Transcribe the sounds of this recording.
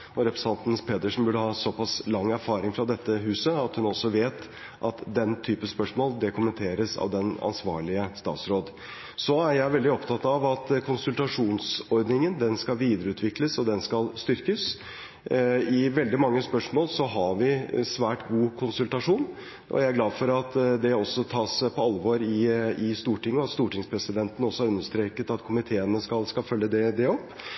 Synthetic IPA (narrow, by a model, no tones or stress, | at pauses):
ɔɾɛpɾəsɑnt̪n̩spʰeːt̪əʂn̩bʉɖəhɑːsɔpɑslɑŋːæɾfɑːɾɪŋfɾɑd̪ɛt̪ːəɦʉːsəɑt̪hʉnɔsːɔʋeːt̪ | ʔɑt̪d̪ɛnt̪ʰyːpəspœʂmoːld̪ɛkʰʊmənt̪ʰeːɾəsɑ̰ʋd̪ɛnɑ̰nsʋɑ̰ːɭɪəst̪ɑ̰ːt̪sɾoːd̪ | sɔæɾjæɪʋɛld̪ɪɔpt̪ʰɑt̪ɑʋɑt̪kʰʊnsʉlt̪ɑʂuːnsɔɾd̪nɪŋənd̪ɛnskɑlʋiːd̪əɾəʉːt̪ʋɪkləsɔd̪ɛnskɑlst̪ʏɾkəs | ɪʋɛld̪ɪmɑŋːəspœʂmoːlsɔɦɑʋɪsʋæːʈɡuːkʰʊnsʉlt̪ɑʂuːn | ʔɔ̰jæɪæɡlɑːd̪fɔɾɑt̪d̪ɛɔsːɔt̪ʰɑːspʰɔɑlʋoːɾɪɪst̪uːʈɪŋːəɑt̪st̪uːʈɪŋspʰɾɛsɪd̪ɛnt̪ən̩ɔsːɔæɾʉnːəʂt̪ɾeːkət̪ɑt̪kʰʊmɪt̪ʰeːənəskɑlskɑlfœljːəd̪ɛd̪ɛɔpː